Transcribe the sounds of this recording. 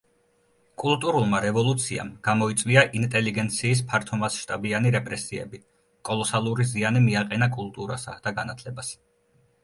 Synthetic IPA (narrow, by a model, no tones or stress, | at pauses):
kʼulˠt̪ʼuɾulˠmaɾɛvɔlˠut̪sʰia̰mɡ̥amɔit̪sʼvwiaʔint̪ʼɛliɡɛnt̪sʰiːs̬pʰaɾt̪ʰɔmasʃt̪ʼabianiɾɛpʼɾɛsiɛ̰bi | kʼɔlˠɔsalˠuɾizianimiaqʼɛnakʼulˠt̪ʼuɾa̰sa̰d̪̥aɡanat̪ʰlɛbas